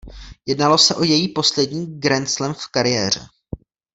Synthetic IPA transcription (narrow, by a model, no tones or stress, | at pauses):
jɛdnalo̞sɛʔojɛjiːpo̞slɛdɲiːɡɾɛnt͡slɛmfkaɾɪjɛːr̝̥ɛ̰